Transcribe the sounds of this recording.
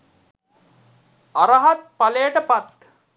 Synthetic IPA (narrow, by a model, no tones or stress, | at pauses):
aɾɐɦat̪̚palejəʈəpat̪